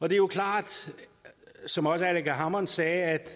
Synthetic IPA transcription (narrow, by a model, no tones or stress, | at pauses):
ɒ̽d̥e̝jo̝kʰlɑ̰̈ːd̥ | sɒ̽mɒ̽səæleɡæɦɑ̈mɒnsɛːæd̥